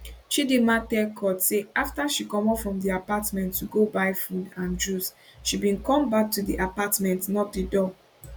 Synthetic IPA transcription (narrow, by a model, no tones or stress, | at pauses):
ʃidematɛlkʰɔtseaftaʃikɔ̃mɔpfɹɔ̃mdiapatmɛ̃ntʰːuɡobaɪfudãnd͡ʒusʃibĩnkɔ̃mbak̚tudiʔapatmɛ̃ntnɔt̚didɔ